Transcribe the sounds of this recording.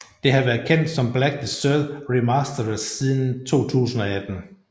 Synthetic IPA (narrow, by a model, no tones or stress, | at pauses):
d̥e̝ɦɑ̈ʋæːɐðˠkʰen̰d̥sɒ̽mb̥læɡ̥̚dəsølʁimɑsd̥ɐsːið̞ˠn̩t͡sʰo̝̰ːt͡sʰṵːsn̩ɒæd̥n̩